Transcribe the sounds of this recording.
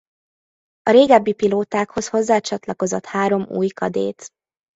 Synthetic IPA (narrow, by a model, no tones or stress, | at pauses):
ɒɾeːɡɛbːipiloːt̪aːkho̞sho̞zːaːt͡ʃɒt̪lɒko̞zot̪haːɾo̞mṵːjkɒd̪ḛːt̪